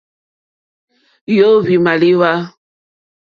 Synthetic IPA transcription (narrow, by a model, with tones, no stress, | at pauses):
jo˦˨βi˨ma˨li˦wa˦